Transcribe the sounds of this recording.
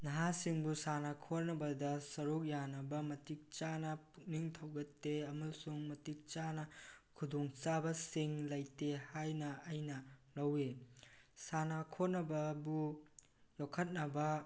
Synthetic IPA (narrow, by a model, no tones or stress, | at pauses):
nɐɦasiŋbusanakʰoɾnɐbɐdɐsɐɾuk̚janɐbɐmɐtik̚t͡ʃanɐpʰuk̚niŋtʰɐwɡɐtːeɐmɐlsuŋmɐtik̚t͡ʃanɐkʰudoŋt͡ʃabɐsiŋlɐjtehajnɐɐjnɐlɐwe | sanakʰoɾnɐbɐbu | jokʰɐt̚nɐbɐ